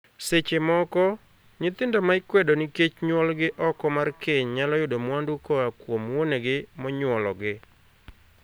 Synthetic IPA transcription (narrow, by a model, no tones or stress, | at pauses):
set͡ʃemɔkɔ | ɲɪt̪ɪndɔmaɪkwɛdonɪket͡ʃɲwɔlɡɪʔɔkɔmarkeɲɲalɔjʊdomwandukɔakwomwoneɡɪmɔɲwɔlɔɡɪ